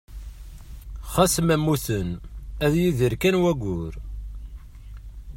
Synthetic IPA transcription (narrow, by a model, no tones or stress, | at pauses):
χæsmæmːuθənæðjiðəɾkænwæɡʷʊɾ